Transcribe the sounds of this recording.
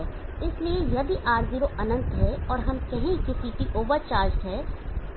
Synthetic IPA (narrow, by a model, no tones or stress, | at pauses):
ɪsliejɐd̪ʱiʔaːɾd̪iɾoʔɐnə̃nt̪ɦɛɔːɾɦɐmkɛɦẽkɪsiːʈiʔoːʋəɾt͡ʃaːɾd͡ʒʈɦɛː